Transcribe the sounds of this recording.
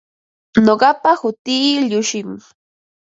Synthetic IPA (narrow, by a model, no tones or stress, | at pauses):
noɢɑpahʊt̪iːʎʊʃɪŋ